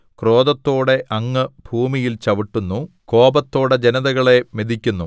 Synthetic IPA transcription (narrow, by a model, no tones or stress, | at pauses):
kro̞ːd̪ɐt̪ːoːɽe̞ʔɐŋːɨbʱuːmijilt͡ɕɐʋiʈːunːuko̞ːbɐt̪ːo̞ːɽe̞d͡ʑenɐðɐɣɐɭe̞med̪ʱikʲːunːu